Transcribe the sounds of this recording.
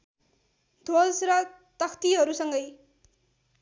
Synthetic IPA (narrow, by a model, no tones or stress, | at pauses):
d̪ʱolsrʌ | t̪ʌkʰt̪iɦʌɾusʌŋɡʌj